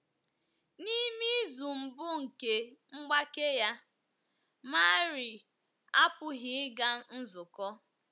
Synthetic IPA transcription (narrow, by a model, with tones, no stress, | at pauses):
ni˦mi˦zu˨m̩˨bʊ˦ŋ̩˨ke˨ŋ͡m̩˦ɡ͡ba˦ke˦ja˦ | ma˦ɾɪ˨ | a˦pʊ˨ɦɪ˨ɪ˦ɡa˦n̩˦zʊ˨kɔ˦